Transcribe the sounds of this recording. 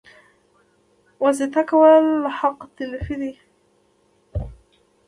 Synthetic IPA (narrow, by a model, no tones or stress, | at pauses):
wazɪt̪akwalːħɑqːt̪ɪlfɪði